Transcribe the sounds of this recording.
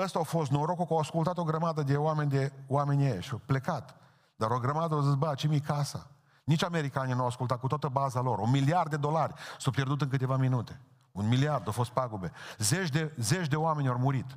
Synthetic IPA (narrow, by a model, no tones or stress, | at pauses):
əst̪aawfo̞st̪noɾokukawaskult̪at̪o̞ɡɾəmad̪əd̪e̞oame̞nʲd̪e̞wame̞nʲejʃawple̞kat̪ | d̪aɾo̞ɡɾəmad̪əawzis̬bət͡ʃemikasa̰ | nit͡ʃʲame̞ɾikaninuawaskult̪at̪̚kut̪oat̪əbazalo̞ɾumiliard̪ːed̪o̞larʲsawpʲjerd̪ut̪ɨnŋk̬ɨt̪e̞vaminut̪e̞̥ | unmiliard̪awfo̞st̪̚paɡube̞zet͡ʃd̪ezet͡ʃʲd̪e̞oame̞nʲormuɾit̪